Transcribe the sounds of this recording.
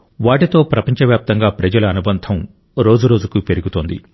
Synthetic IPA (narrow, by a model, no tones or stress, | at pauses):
ʋaːʈit̪o̞ːpɾɐpɐɲt͡ʃɐʋjaːp̚t̪ɐŋɡaːpɾɐd͡ʒɐlɐɐnubɐnt̪ʰɐm | ɾo̞ːd͡ʒuɾo̞ːd͡ʒukupe̞ɾuɡut̪oːnd̪ḭ